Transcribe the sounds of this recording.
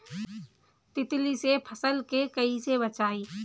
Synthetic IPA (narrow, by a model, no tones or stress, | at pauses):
t̪ɪt̪lisepʰəsəlkekəisebət͡ʃaːiː